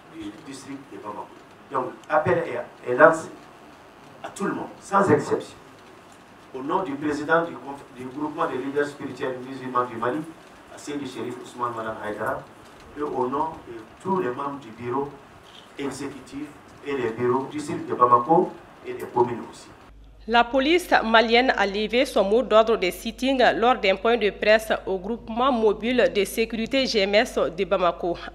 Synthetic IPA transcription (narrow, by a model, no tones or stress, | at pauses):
didist̪ɾik̚tdebamako̥ | dɔ̃ŋkapɛlɛɛlãse̥ | atuləmɔ̃dsãzɛksɛpsjɔ̃ | onɔ̃dypɾezidãdikɔ̃fdyɡɾupmãdelidɛɾspiɾitɥɛlnizimãdimali | a̰sɛ̃deʃeɾifusmãnmadamajdaɾa | eʔonɔ̃dət̪ulɛmãmbd̪ibiɾo | ezekytiv | elɛbiɾodisild̪ebamako | elɛkomyno̰si̥ | lapolismaljɛna̰levesɔ̃mod̪ɔd̪ɾd̪esit̪ĩŋɡlɔɾd̪ɛ̃pwɛ̃d̪əpɾɛsoɡɾupmɑ̃mobild̪esekyɾit̪eʒeɛmɛsd̪ebamako